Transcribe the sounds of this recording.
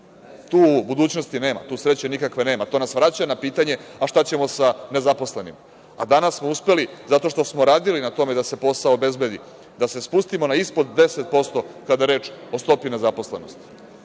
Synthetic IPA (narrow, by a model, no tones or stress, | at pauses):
t̪uːbud̪uːt͡ɕno̞st̪ine̞ːma̰t̪uːsɾe̞t͡ɕe̞nikakʋe̞ne̞ːmat̪o̞nasʋɾat͡ɕaenapiːt̪aɲe̞aʃt̪at͡ɕe̞mo̞sane̞zapo̞sle̞nḭm | a̰d̪anassmo̞uspe̞lizat̪o̞ʃt̪o̞smoɾaːd̪ilinat̪o̞med̪ase̞po̞saoːbe̞zbe̞d̪i | d̪ase̞spust̪imo̞naispo̞d̪ːe̞set̪̚po̞st̪o̞kad̪aeɾe̞ːt͡ʃo̞st̪o̞pine̞zapo̞sle̞no̞st̪i̥